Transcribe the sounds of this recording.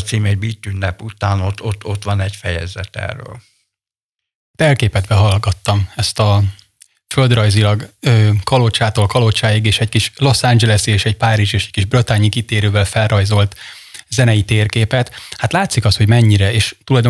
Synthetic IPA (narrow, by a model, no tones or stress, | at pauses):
t̪siːmɛɟ̚biːt̪ːynːɛput̪aːnot̪ːot̪ːo̞t̪ʋɒnɛɟfɛjɛ̰zɛ̰t̪ɛ̰rːø̰ːl | hat̪ɛlkeːpɛt̪bɛɦɒlɡɒt̪ːɒmɛst̪ɒ | føld̪rɒjzilɒɡøːkɒlot͡ʃaːt̪oːlkɒlot͡ʃaːjiɡeːʃɛckiʃlo̞sand͡ʒɛlɛsieːʃɛɟpaːɾiʒeːʃɛckiʒbrøt̪aːɲikit̪eːɾøːvɛlfɛlrɒjzo̞lt̪ | zɛnɛjit̪eːrkeːpɛt̪hat̪laːt̪sikɒst̪ho̞ɟmɛɲːiɾɛeːʃt̪ulɒjd̪o